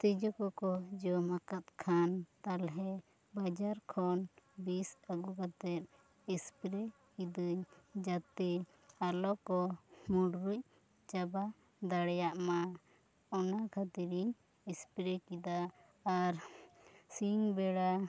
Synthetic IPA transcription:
t̪id͡ʒɔkɔkɔd͡ʒɔmakat̪̚kʰant̪alɦɛ | bad͡ʒaɾkʰɔnbisaɡukat̪ɛt̪̚ | ispɾɛ | kid̪uɲd͡ʒat̪ɛ | alɔkɔmuɖɾuc̚ | d͡ʒaba | d̪aɽɛjaʔma | ɔnakʰat̪iɾiɲ | ɛspɾɛkid̪aː | ɾ | siŋbɛɽa

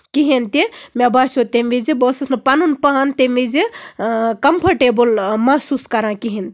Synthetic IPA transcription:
kiɦint̪imʲebaːsʲot̪emʋizibəːsɐsnɨpɐnunpɐɦant̪emʋizi | kɐmpʰɐɾʈebulmɐsuskɐɾãːkiɦint̪i

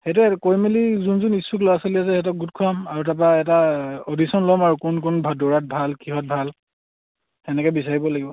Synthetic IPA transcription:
xejt̬ukojmilizunzunisuklɔjasolias̬ɛhɛt̬ɔk̚ɡutkʰuamaɹutap̬aɛtaodisɔnlɔmaɹukunkunbʱadoɹat̚bʱalkiɦɔt̚bʱal | ɛnɛkɔbis̬aɹibɔlaɡibɔ

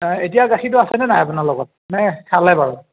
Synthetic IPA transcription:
etijaɡaxitʊasɛnɛnajapunalɔɡɔt̚nɛhalajbaɹɔ

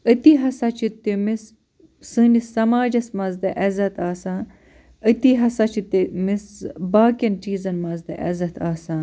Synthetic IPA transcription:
ət̪iɦɐsɐt͡ʃʰit̪ːimis | sɨːnisɐmaːd͡ʒɐsmɐzd̪ɐʔɐzɐt̪aːsãːn | ət̪iɦɐsɐt͡ʃʰit̪ːimisbaːkʲɐnt͡ʃiːzɐnmɐzd̪ɐʔɐ̰zɐt̪ʰaːsãːn

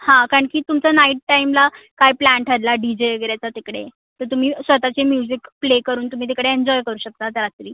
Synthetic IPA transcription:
hãkaɾəɳkiːt̪umt͡sanaiʈ̚ʈaimlakajplæɳʈəɾlaɖid͡ʑeeɡəɾjat͡sat̪ikɽḛ | t̪əɾt̪um̤iːsʋət̪at͡ɕemjud͡ʑikplekəɾuːnt̪um̤iːt̪̬ekɽeeɲd͡ʑɔjkəɾuːɕək̚t̪at̪ɾat̪ɾiː

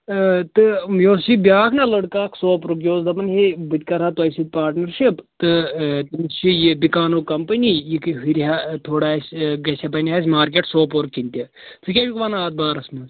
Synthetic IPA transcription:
t̪ɨjoːst͡ʃibjaːkʰnɐlɐɽkaːkʰsoːpɾɨkjoːzd̪ɐpɐnɦebɨt̪ʲkɐɾɦat̪ɐjsit̪̚ʲpaːɾʈnɐɾʃipt̪ɨt̪ɨmist͡ʃijibikaːnoːkɐmpɐnʲijikɨɦiɾʲɦat̪ʰoːɽaːsʲɡɐsʲapɐnʲɦaːs̬ʲmaːɾk̬ʲeʈsoːpoɾkʲːinʲt̪ʲi | t͡sɨkʲaːʋʲikʋanaːt̪̚baːɾɐsmɐs

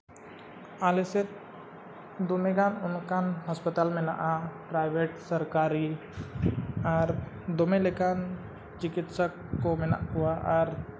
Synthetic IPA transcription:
aːleset̪̚ | d̪omeɡanʊnkanɦəspət̪aːlmẽna̰ʔapɾaɪbeʈsəɾkaɾi | aɾ | d̪omelekan | t͡ʃɪkɪt̪səkːomɪna̰ʔɦʊaʔɔɾ

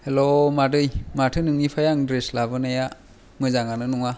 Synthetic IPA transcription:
helomadɯjmatʰɯnɯŋnipʰajaŋdɾeslabɯnaja | mɯzaŋanɯnuŋa

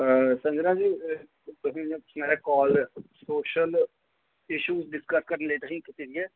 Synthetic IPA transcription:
sə̃nd͡ʒɾãːd͡ʒiː | t̪ʊsĩsmɛːɾeːkɔːlsoːʃəl | ɪʃuːzɖɪskəskəɾənləiːt̪əsĩːkɪt̪iːɾɪeː

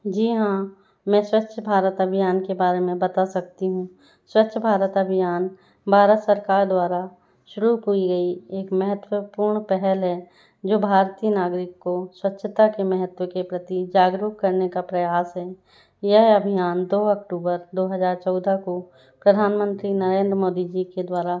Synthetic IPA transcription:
d͡ʒiːɦã | mɛ̃swətːʃʰəbʱaːɾət̪ɐbʱijaːnkebaːɾemẽbɐt̪asɐk̚t̪iɦũ | swɐtːʃʰəbʱaːɾət̪ɐbʱijaːn | bʱaːɾət̪səɾkaːɾd̪waːɾa | ʃʊɾuɦuiɡɐieːkmɛɦət̪wəpuːɾɳpɛɦɛlɦɛ | d͡ʒoːbʱaːɾt̪iːənaːɡɾɪkːoswətːʃʰət̪akemɛɦət̪wəkepɾɐt̪id͡ʒaːɡɾukkːɐɾnekapɾɐjaːsɦɛ | jɛɦɐbʱijaːnd̪oːɐk̚ʈuːbəɾd̪oːɦəzaːɾt͡ʃɔːd̪ʱako | pɾəd̪ʱaːnmə̃nt̪ɾinɐɾẽːnd̪ɾmoːd̪id͡ʒiked̪waːɾa

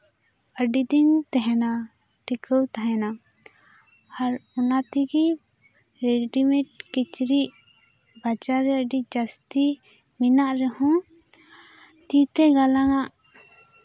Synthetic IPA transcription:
əɖid̪int̪ɛɦɛna | ʈikəwt̪aɦɛna | aɾɔnat̪iɡi | ɾɛɖimɛʈ̚kit͡ʃɾiʔ | bat͡ʃaɾːɛəɖid͡ʒast̪i | minaʔɾɛhɔ̃ | t̪it̪ɛɡalaŋaʔ

